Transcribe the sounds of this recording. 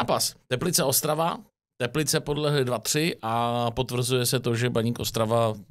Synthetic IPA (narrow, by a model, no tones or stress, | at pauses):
aːpast̪ɛplɪt͡sɛo̞st̪ɾava | t̪ɛplɪt͡sɛpo̞dlɛɦlɪdvat̪r̝̥ɪʔapo̞t̪vr̩zujɛsɛt̪o̞ʒɛbaɲiːkʔo̞st̪ɾava